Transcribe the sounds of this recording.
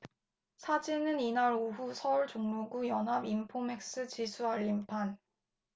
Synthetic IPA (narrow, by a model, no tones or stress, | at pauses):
sʰad͡ʑinɯninaɾousʰʌuɭt͡ɕoŋmuɡujʌnɦabimpʰome̞k̚s͈ɯt͡ɕisʰuaʎːimpʰan